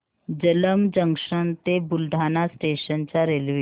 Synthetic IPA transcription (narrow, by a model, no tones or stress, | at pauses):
d͡ʑələmd͡ʑəŋʂənt̪ebuld̪ʱanasʈeɕənt͡ɕjaɾelʋi